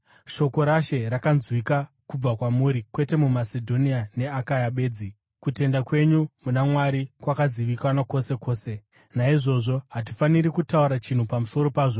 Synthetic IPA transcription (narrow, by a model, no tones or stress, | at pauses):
ʃo̞ko̞ɾaʃe̞ɾakanzwika | kub͡vakwamuɾikwe̞te̞mumasedʱo̞niane̞akajaɓe̞ːd͡zi | kute̞ndakwe̞ɲumunamwaɾikwakaziʋikanako̞se̞ko̞ːse̞ | naiʐo̞ʐo̞ɦat̬i̥faniɾikutauɾat͡ʃin̤upamuso̞ɾo̞paːʐo̞